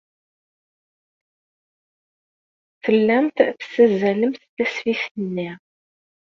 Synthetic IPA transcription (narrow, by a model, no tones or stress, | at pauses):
θəlːæmt̪θə̥sæzæləmθθæsfiθənːi